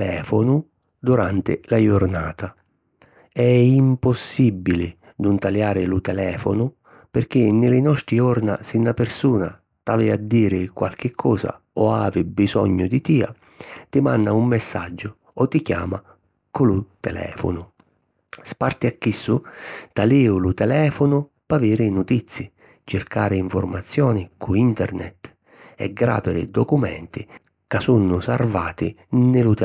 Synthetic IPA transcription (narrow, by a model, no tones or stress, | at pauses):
ɛːfonʊ | d̪uɾant̪ɪ̰lajʊɾnaːt̪a | ɛimposːibːilɪ | d̪unt̪aljaːɾɪlut̪ɛlɛːfo̰nʊ | pɪrk̟ɪnːɪlɪnɔst̪ɾiɔɾna̰sɪnːapɪrsuːna̰ | t̪avɪad̪ːiːɾɪkwa̰lk̟ɪkʰːɔːza̰ | ɔaːvɪbizɔ̰ɲːʊd̪it̪iːa̰ | t̪ɪmanːaumːesːa̰d͡ʒːʊ | ɔt̪ːikja̰ːma | kʊlʊt̪ɛlɛ̰ːfʊ̰nʊ | spart̪iakːisːut̪aliʊlut̪ɛlɛːfʊnʊ | paviːɾɪnut̪it̪sːi | t͡ʃɪrkaːɾɪiɱfʊrmat̪sːjɔːnɪkuint̪ɛ̰ɾnɛ̰t̪ | ɛ̰ɡːɾa̰ːpɪɾɪ̰d̪ɔkumɛ̰nt̪i | kasunːʊsarvaːt̪ɪnɪlut̪ɛ